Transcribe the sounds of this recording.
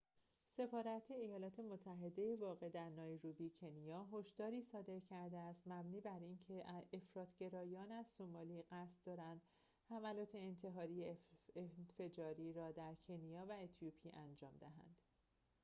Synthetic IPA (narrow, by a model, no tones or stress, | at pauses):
se̞fɒːɾæt̪ʰe̞ːjɒːlɒːt̪ʰe̞mot̪ʰːæɦe̞d̪e̞jevɒːɣe̞d̪æɾnɒːjɾubicʰe̞nijɒːɦo̞ʃd̪ɒːɾiːsɒːd̪e̞ɾcʰæɾd̪eæst̪mæbniːbæɾiːncʰe̞ʔʔefɾɒːt̪ʰɟ̥e̞ɾɒːjɒːnæzsomɒːliːɢæst̪d̪ɒːɾænd̪̥ | hæmælɒːt̪ʰe̞ːnt̪ʰe̞ɦɒːɾijeenfe̞d͡ʒɒːɾiːɾɒːd̪æɾcʰe̞nijɒːvæet̪ʰijupʰiːʔænd͡ʒɒːmd̪eɦæ̰nd̪̥